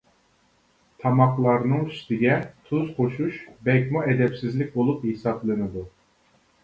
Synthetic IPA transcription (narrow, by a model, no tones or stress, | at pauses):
t̪ʰɑmɑqlˠɑɾnɨŋy̥st̪ɪɡʲɛt̪ʰuz̥qʰoʃuʃbɛkʲmuɛd̪ɛpsɪzlɪk̚ʲbolˠuphesɑblˠɨnɨd̪u